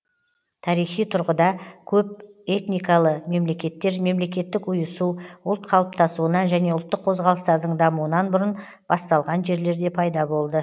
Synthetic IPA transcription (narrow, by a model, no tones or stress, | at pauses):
t̪ʰɑɾijχijt̪ʰʊɾʁəd̪ɑkʲʰɵp̚e̞t̪nijkɑlˠəme̞mle̞kʲe̞t̪ːe̞ɾme̞mle̞kʲe̞t̪ːɪkʊjəsuʊlˠt̪̚qʰɑlˠəp̚t̪ɑsuənɑʒæne̞ʊlˠt̪ːəqʰo̞zʁɑlˠəst̪ɑɾd̪əɴd̪ɑmuənɑnbʊɾən | b̥ɑst̪ɑlˠʁɑnʒe̞ɾle̞ɾd̪e̞pʰɑjd̪ɑbo̞lˠd̪ə